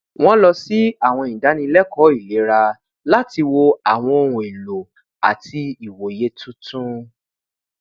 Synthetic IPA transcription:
w̃ɔ̃˦lɔ˧si˦a˦˨w̃ɔ̃˧˨da˨˦nĩ˧lɛ˦kɔ˦i˦˨le˨˦ɾa˧ | la˦ti˧wo˧a˨w̃ɔ̃˧o˧ɾũ˨e˨lo˨ | a̰˨tʰi˧i˨wo˨je˦tʰũ˦tʰũ˦

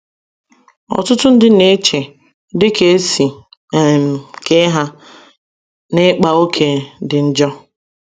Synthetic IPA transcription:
ɔ̰˨tʊ˦tʊ˦n̩˦dɪ˦ne˦t͡ʃe˨ | dɪ˦ke˦si˨ | m̩˨ke˦ɦa˦ | ne˦k͡pa˨o˦kʰe˦dɪ˨n̩˦d͡ʒɔ˦

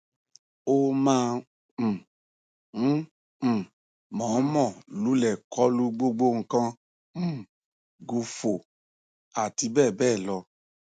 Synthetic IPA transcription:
o˦mãː˦˧˨ | mɔ̃˨˦mɔ̃˦˨lu˨˦lɛ˦˨kʰɔ˦lu˦ɡ͡bo˦ɡ͡bo˦ŋ̩˧kã˦ | m̩̃˦˨ | ɡu˨˧fo˨ | a˨ti˧˦bɛː˦˨bɛː˦˨lɔ˧

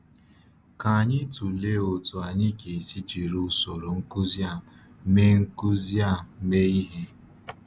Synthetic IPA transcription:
ka˨a˨ɲɪ˦tu˨le˦o˨tu˨a˨ɲɪ˦ke˨si˦t͡ʃi˨ɾu˦so˨ɾo˨ŋ̩˦ku˦zja˦˨˦ | me˦ŋ̩˦ku˦zi˦a˦˨˦me˦i˦ɦe˦

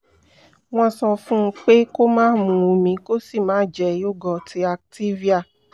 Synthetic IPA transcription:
w̃ɔ̃˦sɔ̃˧fũ˦˧k͡pe˦ko˦mãː˦mũ˨ũ˨˧mĩ˨˧ko˦si˦˨mãː˨˦d͡ʒɛ˨jo˦ɡɔ˨tʰi˧a˧k̚ti˦vi˦a˦˨

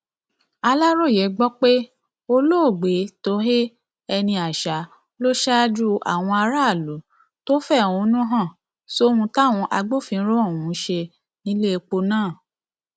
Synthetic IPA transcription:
a˧la˦ɾo˦˨je˨˦ɡ͡bɔ˦k͡pe˦ | o˧lo˦o˦˨ɡ͡be˨˦to˦ɦe˦ | ɛ˧nĩ˧a˨ʃa˨˦ | lo˦ʃa˦d͡ʒu˦a̰˨w̃ɔ̃˧a˧ɾa˦˨lu˨˦ | to˦fɛ˦˨ũ˨˦nũ˦ɦã˦˨ | so˦hũ˧ta˦˨w̃ũ˧ʔa˧ɡ͡bo˦˨fĩ˧˦ɾo˦o˦˨wũ˨˦ʃe˧ | nĩ˦le˦˧k͡po˧nãː˦˨

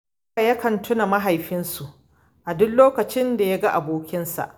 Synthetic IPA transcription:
a˨jɐ˦kɐ˨ntʰʊ˦na˨mɐ˦ɦa˨jɸɪ˦nsu˨ʔ | ʔa˨dʊ˦nloː˦kɐ˨t͡ʃɪ˦nda˨ja˦ɡa˦ʔa˨boː˦kʲɪ˦nsa̰˨ʔ

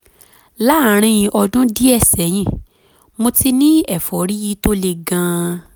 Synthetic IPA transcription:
la˦˨ɾ̃ĩ˧j̃ĩ˧ʔɔ˧dũ˦di˦ɛ˦˨sɛ˨˦j̃ĩ˦˨ | mo˧ti˦nĩ˦ɛ˦˨fɔ˨ɾi˦ji˦to˦le˧ɡã˧

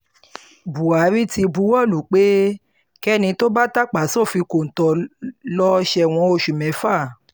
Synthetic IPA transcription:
bu˨a˨˦ɾi˦ti˧bu˧˦wɔ˦˨lu˨k͡pe˦ | kɛ˦nĩ˧to˦ba˦ta˦˨k͡pa˨˦sɔ˦˨fi˧ko˨n̩˨tɔ˧lɔ˦ʃɛ˧w̃ɔ̃˧˦o˧˨ʃu˨mɛ̃˨˦fa˦˨

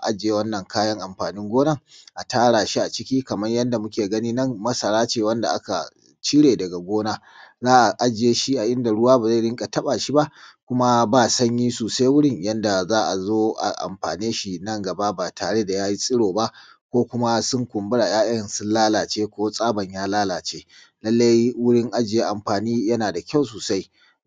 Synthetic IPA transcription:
ʔa˦d͡ʒeː˨˦wɐ˦nːɐ˨ŋkaː˦jɐ˦ŋʔa˨mɸaː˨nɪ˦ŋɡʷoː˦nɐ˦ŋʔa˨taː˦ɽaː˨ʃi˦ʔa˨t͡ʃɪ˦kʲiː˦kɐ˨mɐ˦ɲjɐ˦nda˨mʊ˦kʲeː˨ɡɐ˦niː˦nɐ˦ŋmɐ˦sɐ˨ɽaː˦t͡ʃeː˨wɐ˦nda̰˨ʔa̰˦ka̰˨ | t͡ʃiː˦ɽeː˨dɐ˨ɡa˨ɡʷoː˦naː˦ | zaː˦ʔa˨ʔa˦d͡ʒeː˦ʃi˦ʔa˨ʔɪ˦nda˨ɽʊ˦waː˦ba˨za˦˨ɽɪ˦ŋkʼa˨tɐ˦ɓa˨ʃi˦ba˦ʔkʷʊ˦ma˦baː˦˨sɐ˦ɲjiː˦suː˨sa˦jwʊ˦ɽɪ˦˨ɲjɐ˦nda˨zaː˦ʔa˨zoː˦ʔa̰˨ʔa̰˨mɸaː˨neː˦ʃi˨nɐ˦˨ŋɡɐ˨ba˦baː˨tʰaː˨ɽe˦da˨jaː˦ji˦sʼɪ˦ɽoː˨ba˦ʔ | kʷoː˦kʷʊ˦ma˦sʊ˦ŋkʷʊ˨mbʊ˦ɽa˨jaː˦ʔɪ˦jɐ˨nsʊ˦nlaː˦laː˨t͡ʃeː˦kʷoː˦sʼaː˦bɐ˨ɲjaː˦laː˦laː˨t͡ʃeː˦ | lɐ˦lːa˦jwʊ˦ɽɪ˦ŋʔa˦d͡ʒɪ˨je˦ʔa˨mɸaː˨niː˦jɐ˦naː˨da˨kʲa˦˨wsoː˨sa˦j

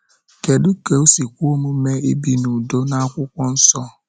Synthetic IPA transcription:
ke˨dʊ˦ke˨o˦si˨kʷo˦mu˦me˦e˦bi˦nu˨do˦na˦a˦kʷʊ˦kʷɔ˦n̩˦sɔ˦

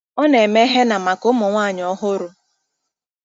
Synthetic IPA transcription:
ɔ˦ne˨me˦ɦe˦na˨ma˨kʊ˦mʊ˨ŋʷaː˦˨ɲɔ˦ɦʊ˦ɾʊ˦

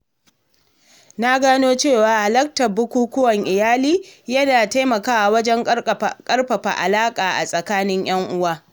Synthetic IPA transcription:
na˦ɡaː˦noː˦t͡ʃeː˦˨waː˨ha˨lɐ˦k̚tɐ˨bʊ˦kʷuː˦kʷʊ˦wɐ˨ŋʔɪ˨jaː˦liː˦jɐ˦naː˨ta˦jmɐ˨kaː˦a˨wɐ˦d͡ʒɛ˦ŋkʼɐ˦rɸɐ˨ɸa̰˨ʔa̰˨laː˦kʼaː˨ʔa̰˨sʼɐ˨kaː˦nɪ˦ɲj̰ɐ˦ŋʔʊ˦waː˦

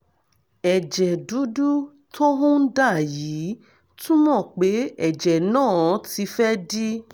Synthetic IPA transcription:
ɛ˨d͡ʒɛ˨du˨˦du˦ | tʰo˦ɦũ˦da˦˨jiː˨˦ | tũ˦mɔ̃˦˨k͡pe˨˦ɛ˦˨d͡ʒɛ˨nãː˦˨˦ti˧˦fɛ˦di˦

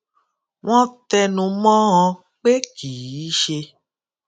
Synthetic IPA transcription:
w̃ɔ̃˦tɛ˧nũ˧mɔ̃˦ɔ̃˧ | k͡pe˦kiː˨i˨˦ʃe˧

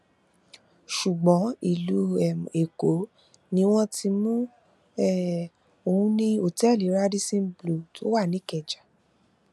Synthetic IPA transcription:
ʃu˨ɡ͡bɔ̃˨˦i˨lu˨˦˨e˨ko˨˦ | nĩ˧˦w̃ɔ̃˦tʰi˧mũ˦ | ɛ˦˨ | o˨hũ˧nĩ˧o˨tɛ˦˨li˨˦ɾa˦di˦sĩ˦blu˦˨tʰo˦wa˦˨nĩ˦kɛ˨d͡ʒa˨

